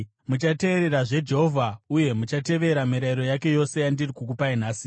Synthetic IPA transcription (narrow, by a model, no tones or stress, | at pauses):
mut͡ʃate̞ːɾe̞ɾaʐe̞d͡ʒe̞ɦovʱauje̞mut͡ʃate̞ʋe̞ɾamiɾaiɾo̞jake̞jo̞se̞jandirikuk̬upainaːsi